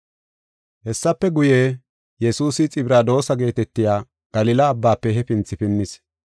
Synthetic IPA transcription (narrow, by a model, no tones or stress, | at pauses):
hɛsːɐpːɛɡʊjeː | jɛsuːsɪt͡sʼɪbɾaːd̪o̞ːsɐɡe̞ːt̪ɛt̪ːɪjaː | ɡ̥ɐlɪlɐːbːaːpːɛɦɛpɪnt͡sːɪpɪnːɪs